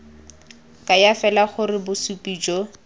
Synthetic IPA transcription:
kʼajafɛlaχʊrɪbʊsupʼiːd͡ʒɔ

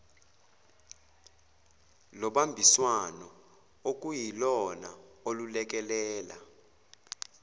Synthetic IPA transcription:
lɔɓambʱiswanɔ | ok̬ʼujilɔnaolulɛk̬ɛlɛːla̰

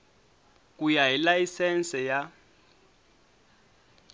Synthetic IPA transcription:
k̬ʼujajilajisɛnsɛja

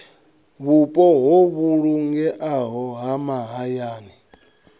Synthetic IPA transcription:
βupʼɔɦɔβuɺuŋɡɛʔaɦɔɦamaɦajaːni

